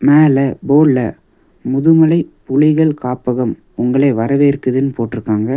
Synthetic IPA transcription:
meːlɐboːɭːɐ | mʊðɯmɐlɐɪpʊɻɪɣɐɭkaːpːɐɣɐm | ʊŋɡɐɭɐɪʋɐɾɐʋeːɾɯkːɯðɪnpoːʈːɪɾɯkːaːŋɡɐ

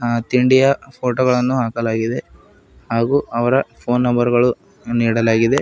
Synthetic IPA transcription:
t̪iɳɖijɐpʰoːʈoːɡɐɭɐnːuɦaːkɐlaːɡid̪e̞ | haːɡuːʔɐʋɐɾɐpʰo̞ːnːɐmbɐɾɡɐɭu | niːɽɐlaːɡid̪e̞

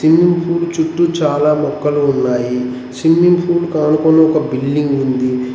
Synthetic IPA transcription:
simːimpʰuːɽt͡ʃuʈːut͡ʃaːlaːmɔkːɐluːnːaːji | simːimpʰuːlkaːnukonːɐɔkɐbilːiŋɡund̪i

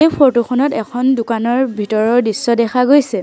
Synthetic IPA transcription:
ejpʰotoxɔnɔtɛkʰɔndʊkanɔɹbʱitɔɹɔɹdisːɔdɛxʰaɡojsɛ

